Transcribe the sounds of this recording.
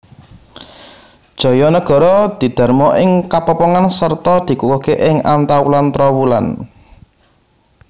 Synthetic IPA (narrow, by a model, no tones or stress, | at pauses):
d̥ʒ̥ɔ̤jɔnəɡ̥ɔ̤ɾɔd̪̥i̤d̪̥a̤rmɔʔɪŋkapɔpɔŋansərt̪ɔd̪̥i̤kukɔkeʔɪŋa̰nt̪awulant̪ɾɔwula̰n